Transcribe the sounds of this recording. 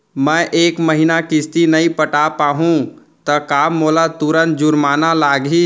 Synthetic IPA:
mɛ̃ʔeːkməɦinakɪst̪inɐĩpəʈapaːɦũ | t̪ɐkaːmːoːlat̪uɾənt̪̚d͡ʒʊɾmaːnalaːɡiː

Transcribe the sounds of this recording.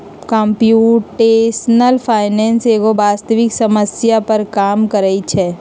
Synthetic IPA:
kɔ̃ːmpjuːʈeːsənəlpʰaːɪnɛːnseːɡobaːst̪əʋɪksɐməsjapɐɾkaːmkəɾəit͡ʃʰɛː

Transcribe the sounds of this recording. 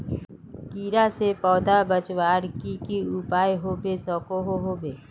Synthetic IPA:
kiːɾasepɔːd̪abət͡ʃwaːɾkikiupaːjɦobʱesɔːkoɦoɦobʱeː

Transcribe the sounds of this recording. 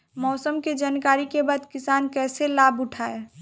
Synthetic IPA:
mɔːsəmked͡ʒaːnkaːɾikebaːd̪kɪsaːnkɛːselaːbʊʈʰaːe

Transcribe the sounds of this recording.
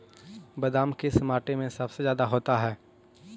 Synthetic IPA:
bɐd̪aːmkesɐmaːʈemẽsɐbsezjaːd̪aɦoːt̪aɦɛː

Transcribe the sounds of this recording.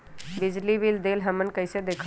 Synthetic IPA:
bid͡ʒlibild̪elɦəmənkəjsed̪ekʰ

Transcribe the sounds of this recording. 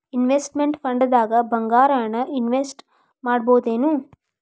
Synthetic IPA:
inʋesʈmeɳʈpʰɐɳɖɐd̪aːɡɐbɐŋɡaːɾaːɳɐʔinʋesʈ | maːɽboːd̪eːnu

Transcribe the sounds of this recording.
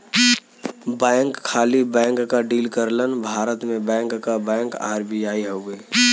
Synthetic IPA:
bɛːŋkʰːaːlibɛ̃ːŋkːaɖiːlkəɾlənbʱaːɾət̪mẽbɛ̃ːŋkːab̃ːŋka̰ːɦɾbʱiaːiɦoɡeː

